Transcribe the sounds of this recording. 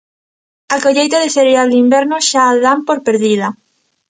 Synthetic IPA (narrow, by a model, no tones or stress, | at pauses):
akoʎejt̪aðefeɾeald̪imbɛɾnʊʃaːðampoɾpeɾðiðɐ